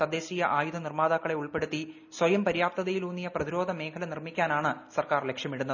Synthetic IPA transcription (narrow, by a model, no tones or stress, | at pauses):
t̪ɐd̪e̞ːɕiːjɐʔaːjud̪ɐnirmaːd̪akːɐɭe̞uɭpe̞ɽut̪ːi | swɐjɐmpɐɾjaːp̚t̪ɐðɐjiluːnːijɐprɐðiɾo̞ːd̪ʱɐme̞ːkʰɐlɐnirmikʲːaːnaːɳɨsɐrkaːrle̞kʂjɐmiɽunːɐð